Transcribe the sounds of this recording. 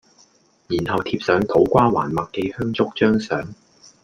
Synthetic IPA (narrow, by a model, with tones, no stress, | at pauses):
jiː˨˩nhɐ˨wt̪ʰiː˧p̚sœː˨˥ŋt̪ʰo˨˥wkʷaː˥wa̰ː˨˩nmɐ˨k̚ːe˧jhœː˥ŋt͡sʊ˥k̚t͡ʃœː˥ŋsœː˨˥ŋ